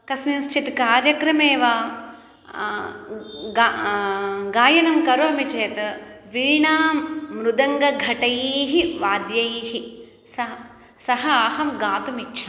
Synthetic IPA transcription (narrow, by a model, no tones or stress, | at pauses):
kɐsminust͡ʃʰit̪kaːɾjɐkɾɐmeːʋaː | ɡa | ɡaːjɐnɐmkɐɾuɐmit͡ʃeːt̪ʋiɻiɳaːmːɾud̪ɐŋɡɐɡʱɐʈɐjiːɦiʋaːd̪jɐjiɦi | sɐ | sɐɦɐaːhɐmɡaːt̪umitːʃʰɐ̥